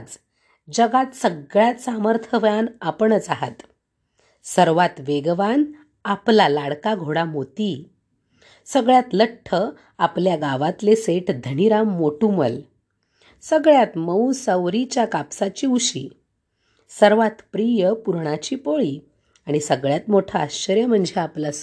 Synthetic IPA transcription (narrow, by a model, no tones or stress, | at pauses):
d͡z | d͡ʑəɡat̪səɡɭjat̪saməɾt̪ʰəʋjanapəɳət͡saɦa̰t̪ | səɾʋat̪ʋeɡʋan | aplalaɽkaɡʱoɽamot̪i | səɡɭjat̪ləʈʰːə | apljaɡaʋat̪leseʈʰd̪ʱəniɾamːoʈumə̰l | səɡɭjat̪məwsəwɾit͡ɕjakapsat͡ɕiːuɕḭː | səɾʋat̪pɾijəpuɾɳat͡ɕiːpoɭiː | aɽ̃isəɡɭjat̪moʈʰəaɕt͡ɕəɾjəm̤əɳd͡zʱeapla